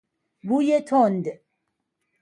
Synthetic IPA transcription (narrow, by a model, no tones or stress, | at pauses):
bujet̪ʰond̪